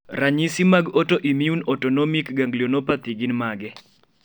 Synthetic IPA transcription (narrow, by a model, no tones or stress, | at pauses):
raɲisimaɡɔtɔʔimiunɔtɔnɔmikɡaŋɡlionopat̪iɡinmaɡɛ